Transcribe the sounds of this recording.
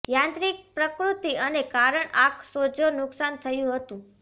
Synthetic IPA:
jãnt̪ɾik̚pɾəkɾut̪iənekaɾəɳaksod͡ʒonʊksant̪ʰəjũɦət̪ũ

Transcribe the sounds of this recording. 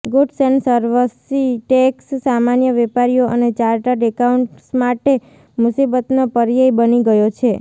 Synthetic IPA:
ɡuɖsensəɾʋəsiʈekssamanjəʋɛpaɾijoʔənet͡ʃaɾʈaɖekauɳʈsmaʈe | mʊsibət̪nopəɾjaibəniɡəjot͡ʃʰe

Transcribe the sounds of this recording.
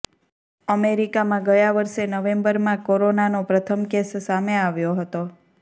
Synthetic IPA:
əmeɾikamãɡəjaʋəɾʃenəʋẽmbəɾmãkoɾonanopɾət̪ʰəmkessameaʋjoɦət̪o

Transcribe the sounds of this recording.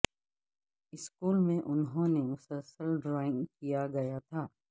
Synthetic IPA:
ɪskuːlmẽʔʊnɦõnemʊsəlsəlɖɾaːɪ̃ŋɡkijaɡɐjat̪ʰaː

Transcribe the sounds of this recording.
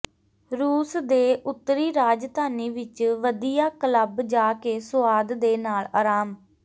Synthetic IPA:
ɾuːsd̪eːʔʊt̪ːəɾiːɾaːd͡ʒt̪aːniːʋɪt͡ʃʋəd̪ijaːkələbd͡ʒaːkeːsʊaːd̪d̪eːnaːlaːɾaːm

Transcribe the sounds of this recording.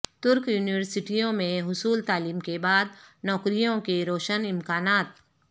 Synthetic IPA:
t̪ʊɾkjuːnɪʋəɾsɪʈijõmẽɦʊsuːlt̪aːliːmkebaːd̪̚nɔːkɾijõkeɾoːʃənɪmkaːnaːt̪̚

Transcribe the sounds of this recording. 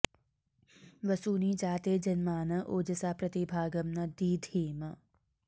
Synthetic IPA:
ʋɐsuːniːd͡ʒaːt̪eːd͡ʒɐnmaːnɐʔoːd͡ʒɐsaːpɾɐt̪ibʱaːɡɐmnɐd̪iːd̪ʱiːmɐ

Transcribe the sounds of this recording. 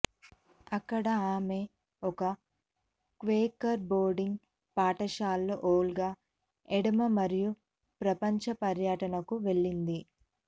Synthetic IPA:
ɐkːɐɽɐaːme̞ | ɔkɐ | kʋeːkɐɾbo̞ːɾɖiŋɡ | paːʈɐʃaːlːoʔoːlɡaː | eɽɐmɐmɐɾiju | pɾɐpɐɲt͡ʃɐpɐɾjɐʈɐnɐkuʋe̞ɭːind̪i

